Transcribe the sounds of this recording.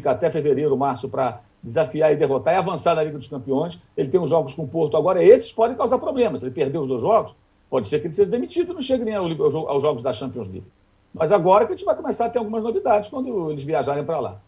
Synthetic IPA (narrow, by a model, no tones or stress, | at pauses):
kɐat̪ɛfeveɾejɾʊmaɾsʊpɾɐ | d͡ʒɪzafiaɾɪd̪eɦot̪aɾɪavɐ̃saɾnɐliɡɐd̪ʊʃkɐ̃mpiõj̃selɪt̪ẽj̃ʊʒɔɡʊskõpoɾt̪ʊaɡɔɾɐesɪ̥spɔd̪ẽkawzaɾpɾoblẽmɐsɪelɪpeɾd̪eʊzd̪ojzʒɔɡʊs | pɔd͡ʒɪsekɪelɪseʒɐd̪emit͡ʃid̪ʊnɐ̃w̃ʃeɡɪnẽj̃awliɡawʒoa̰wʒɔɡʊzd̪ɐʃɐ̃mpiõj̃zlḭɡ | mɐzaɡɔɾɐʒẽt͡ʃɪvajkomesaɾɐt̪eɾawɡũmɐznovid̪ad͡ʒɪskwɐ̃nd̪ʊelɪzviaʒaɾẽj̃pɾala̰